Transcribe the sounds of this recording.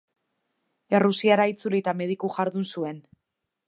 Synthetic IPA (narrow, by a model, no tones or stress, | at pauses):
erusiaɾait͡sulit̪ame̞ð̞ikuʝaɾðunsue̞n